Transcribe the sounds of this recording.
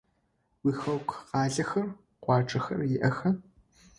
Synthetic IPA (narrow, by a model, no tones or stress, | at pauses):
wiːxɐwkʷʰqɑːɮɐxɐr | qʷɑːʈ͡ʂʼɐxɐrjɪʔɐxɐ